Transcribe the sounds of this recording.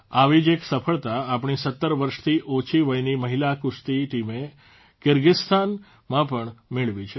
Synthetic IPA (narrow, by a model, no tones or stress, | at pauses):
aʋid͡ʒeksəfʰəɭt̪aːpɳ̃isət̪ːəɾʋəɾʃt̪ʰiʔot͡ʃʰiʋəjniməɦilakʊst̪iʈime | kɪɾɡɪst̪ʰan | mãpəɳmeɭʋit͡ʃʰe